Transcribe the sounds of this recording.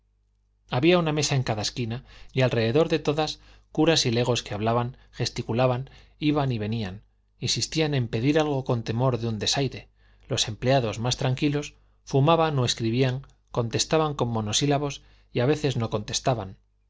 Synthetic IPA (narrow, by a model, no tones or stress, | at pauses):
aβiauname̞sae̞ŋkaðaeskinaialre̞ðe̞ðo̞ɾðe̞t̪o̞ðas | kuɾasile̞ɣ̞o̞ske̞aβ̞laβaŋ | xe̞st̪ikulaβan | iβaniβ̞e̞nian | insist̪ianẽ̞mpe̞ðiɾalɣo̞ko̞nt̪e̞mo̞ɾðeund̪e̞sajɾe̞ | lo̞se̞mpleaðo̞zmast̪ɾaŋkilo̞s | fumaβanoe̞skɾiβ̞iaŋ | ko̞nt̪e̞st̪aβaŋko̞mːo̞no̞silaβo̞s | iaβe̞θe̞zno̞ko̞nt̪e̞̥st̪aβan